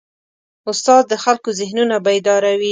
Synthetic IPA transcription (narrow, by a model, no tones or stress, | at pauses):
ʊst̪ɑd̪̚d̪əxalkozɪhnunabaed̪ɑɾawi